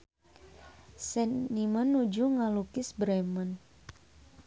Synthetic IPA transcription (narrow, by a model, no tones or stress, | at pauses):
sɛnnimənːud͡ʒuŋalukɪsbɾɛmən